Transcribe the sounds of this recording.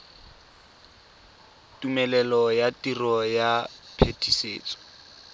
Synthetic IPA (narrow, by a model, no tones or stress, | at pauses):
tumɛlɛlɔjatirɔjapʰetʰisḛːt͡sʼɔ̥